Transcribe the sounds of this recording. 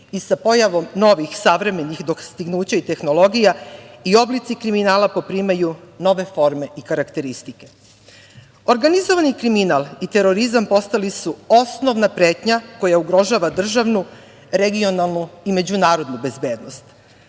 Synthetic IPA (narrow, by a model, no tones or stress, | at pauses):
isapo̞jaʋo̞mno̞ʋixsaʋɾe̞me̞nixd̪o̞kst̪iɡnuːt͡ɕait̪e̞xno̞lo̞ɡijaio̞blit̪sikɾiminaːlapo̞pɾimajuno̞ʋe̞fo̞ɾmeikaɾakt̪e̞ɾist̪ike̞ | o̞ɾɡanizo̞ʋanikɾiminalˠit̪e̞ɾo̞ɾizampo̞st̪alisuo̞sno̞ʋnapɾe̞ːt̪ɲako̞jauɡɾo̞ʒaʋad̪r̩ʒaʋnu | ɾe̞ɡio̞nalˠnuime̞d͡ʑunaːɾo̞d̪nube̞zbe̞ːd̪no̞st̪